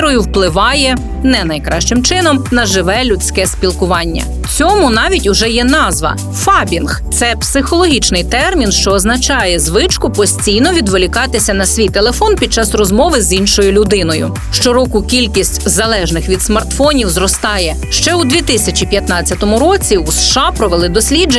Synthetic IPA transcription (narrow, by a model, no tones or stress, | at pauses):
ɾɔjʊwplˠɪʋɑjɛ | nɛnɐjkɾɑʃt͡ʃɪmt͡ʃɪnɔmnɐʒɪʋɛlʲʊt͡sʲkɛspʲilˠkʊʋɑnʲːɐ̰ | t͡sʲɔmʊnɑʋʲitʲʊʒɛjɛnɑzʋɐ̰ | fɑbʲinxt̪sɛpsɪxɔlˠɔɦʲit͡ʃnɪjt̪ɛrmʲinʃt͡ʃɔːznɐt͡ʃɑjɛzʋɪt͡ʃkʊpɔsʲt͡sʲijnɔʋʲid̪ʋelʲikɑt̪ɪsʲɐnɐsʲʋʲijt̪elˠefɔnpʲid̪̚t͡ʃɑsrɔzmɔʋɪzinʃɔjʊlʲʊd̪ɪnɔjʊ̰ | ʃt͡ʃɔɾɔkʊkʲilʲkʲisʲtʲzɐlˠɛʒnɪxʋʲid̪smɐrt̪fɔnʲiwzrɔst̪ɑjɛ | ʃt͡ʃɛud̪ʲʋʲit̪ɪsʲɐt͡ʃʲipʲjɐt̪nɑt͡sʲːɐt̪ɔmʊɾɔt͡sʲiʊsʃɑpɾɔʋelˠɪd̪ɔsʲlʲid͡ʒ